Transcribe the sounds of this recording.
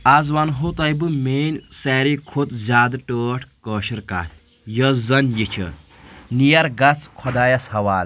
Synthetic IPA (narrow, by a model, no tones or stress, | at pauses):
azʋɐnɦot̪ɐjbɨmeːnʲsɛːɾikʰut̪zʲaːd̪ʈəːʈʰkəːʃiɾka̰ːlʲ | jɐzɐnjit͡ʃʲʰɐ̰ | nijɐɾɡɐt͡skʰɔd̪aːjɐshɐʋaːlʲ